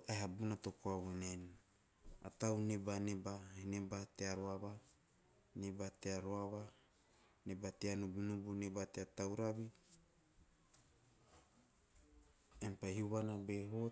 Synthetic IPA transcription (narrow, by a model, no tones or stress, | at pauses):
aeɦabunat̪okoaβonen | a̰t̪awnebanebahinebat̪eaɾoaβa | nebat̪eaɾoaβa | nebat̪eanubunubunebat̪eat̪awɾabi | enpahiuβanabeɦo